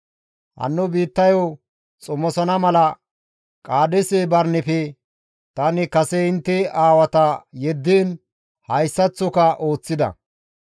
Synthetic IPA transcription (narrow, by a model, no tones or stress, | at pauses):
hɐ̰nːʊbiːt̪ːɐjo | t͡sʼʊmɔsɐnɐmɐlɐ | kʼaːd̪ɛsebɐɾnɪfɛ | t̪ɐnɪkɐsɛɪnt̪ːɛaːwɐt̪ɐjɛd̪ːiːn | hɐjsːɐt͡sːʊkɐʔo̞ːt͡sːɪd̪ɐ̰